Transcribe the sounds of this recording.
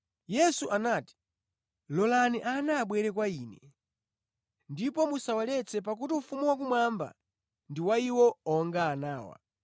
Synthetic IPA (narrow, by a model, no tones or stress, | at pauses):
jɛsuʔanaːti̥ | lɔlaniʔanaːɓwɛɾɛkwaiːnɛ | ndipɔmusawalɛt͡sʰɛpak̬utiufumuwak̬umwamba̰ | ndiwaiwɔɔŋɡaːnaːwa̰